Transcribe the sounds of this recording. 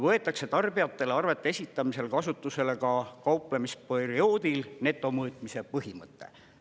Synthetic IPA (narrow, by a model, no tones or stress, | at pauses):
vɤe̞t̪ˑːɑkse̞t̪ɑrb̥ijɑt̪ːe̞leɑrve̞t̪ːˑeesʲit̪ːˑɑmise̞lkɑsut̪ːˑuse̞le̞kɑkɑupˑlemisporio̞ːd̪ilne̞t̪ːˑo̞mɤːt̪ˑmise̞pɤɦimɤt̪ːe̞̰